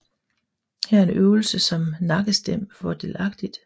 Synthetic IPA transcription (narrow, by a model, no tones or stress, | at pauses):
hæɐe̝nøʊl̩səsɒ̽mnɑ̈ɡ̥əsd̥em̰fɒd̥e̝ːlɑ̈ɡ̥d̥id̥